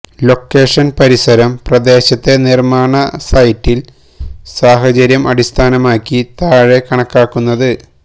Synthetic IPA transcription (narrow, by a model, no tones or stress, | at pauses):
lo̞kːe̞ːʂɐnpɐɾisɐɾɐmprɐd̪e̞ːɕɐt̪ːe̞nirmaːɳɐsɐjtːil | saːɦɐt͡ɕɐɾjɐmʔɐɽist̪ʰaːnɐmaːkʲːit̪aːɻekɐɳɐkːaːkːunːɐðɨ